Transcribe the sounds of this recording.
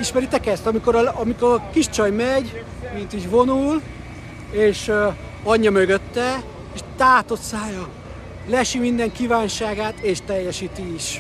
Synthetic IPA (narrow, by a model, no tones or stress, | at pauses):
iʃmɛɾit̪ɛkɛst̪ɒmiko̞ɾɒɒmikoɾkiʃt͡ʃɒjmɛɟ | mint̪iɟvo̞nul | eːʃ | ɒɲːɒmøɡøt̪ːɛ | eːʃt̪aːt̪o̞t̪saːjɒ | lɛʃimind̪ɛŋkiːvaːnʃaːɡaːt̪eːʃt̪ɛjːɛʃiːt̪iiʃ